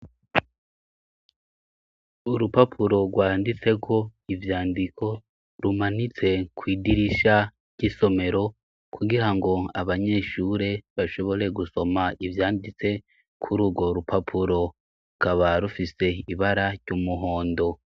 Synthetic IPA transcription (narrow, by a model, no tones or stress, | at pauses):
uɾupapʰuɾo̞ɡwaːndit͡se̞kʰo̞ivjaːndikʰo̞ | ɾumanit͡se̞kwiːdiɾiʃa | ɾɟ̥iso̞me̞ɾo̞ | kʰuɡiɾaŋɡo̞aβaɲe̞ʃuɾe̞βaʃo̞βo̞ɾe̞ɡuso̞maivjaːndit͡se̞ | kʰuɾuːɡo̞ɾupʰapʰuɾo̞ | ukaβaɾufise̞iβaɾaɟ̥umuɦo̞ːndo̞